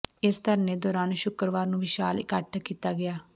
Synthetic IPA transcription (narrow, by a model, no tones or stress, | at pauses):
ɪst̪əɾnẽːd̪ɔːɾaːnʃʊkəɾʋaːɾnũːʋɪʃaːlɪkəʈʰkiːt̪aːɡɪaː